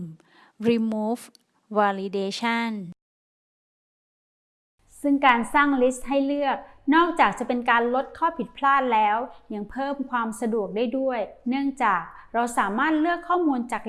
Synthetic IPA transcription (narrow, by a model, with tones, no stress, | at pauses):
ɾi˧muː˦˥f | waː˧li˧deː˧t͡ɕʰa˥˩n | sɯ˥˩ŋkaː˧nsaː˥˩ŋli˦˥st̪̚ɦa˥˩jlɯ˥˩ək̚nɔː˥˩k̚t͡ɕaː˨˩k̚t͡ɕa˨˩pe˧nkaː˧nlo˦˥t̪̚kʰɔː˥˩pʰi˨˩t̪̚pʰlaː˥˩t̪̚lɛː˦˥wja˧ŋpʰɤː˥˩mkʰwaː˧msa˧du˨˩ək̚daː˥˩jdu˥˩əjnɯ˥˩əŋt͡ɕaː˨˩k̚ | ɾa˧wsaː˩˦maː˥˩t̪̚lɯ˥˩əkʰːɔː˥˩muː˧nt͡ɕaː˨˩k̚